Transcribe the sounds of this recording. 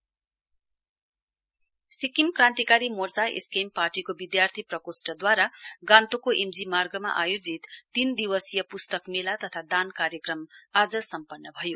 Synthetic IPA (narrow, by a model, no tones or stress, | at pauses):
sikimkrãnt̪ikaɾimort͡saḛskemparʈikobid̪jart̪ʰiprʌkosʈʌd̪waɾaɡãnt̪okoʔemd͡zimarɡʌma̰ʔajod͡zit̪ːind̪iwʌsjʌpust̪ʌkmelat̪ʌt̪ʰad̪ankaɾjʌkrʌmad͡zʌsʌmpʌnːʌbʱʌjo